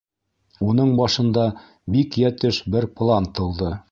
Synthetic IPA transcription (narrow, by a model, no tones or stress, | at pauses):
unɤɴbɑʃɤ̆nd̪ɑ | bikjæt̪ɘʃbɘɾplˠɑnt̪ɤ̆lˠd̪ɤ